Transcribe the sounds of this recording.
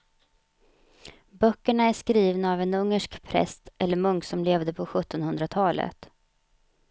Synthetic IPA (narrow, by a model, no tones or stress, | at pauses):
bœkːəɳaæʂkɾiːvnaːvɛnɵŋːəʂkpʰɾɛ̰st̪ʔɛlːəɾmɵŋksɔmleːvd̪əpʰɔɧɵt̪ːɔnhɵnd̪ɾat̪ʰɑːlə̰t̪